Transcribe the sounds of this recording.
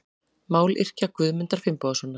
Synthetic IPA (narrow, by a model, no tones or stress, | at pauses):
maːwlʔɪ̰r̥cakvʏːðmʏnt̪aɾ̥fɪmpɔːðasvɔːnːa